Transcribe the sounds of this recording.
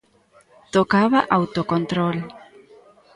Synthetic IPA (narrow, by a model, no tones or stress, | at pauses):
t̪okaβaʔawt̪okont̪ɾol